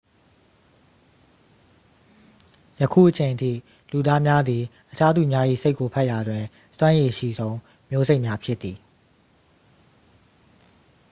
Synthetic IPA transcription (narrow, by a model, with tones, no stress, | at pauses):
jəkʰṵ˦˨ʔət͡ɕʰẽ˨ntʰḭ˦˨ | lu˨d̪a˦mja˦d̪ði˨ʔət͡ɕʰa˦d̪ṵ˦˨mja˦ʔḭ˦˨se˦ɪkːo˨pʰa˦ʔja˨dwɪ̃˨ | swã˦je˨ʃḭ˦˨zõ˦ʊ̃ | mjo˦ze˦ɪʔmja˦pʰjɪ˦t̪ːi˨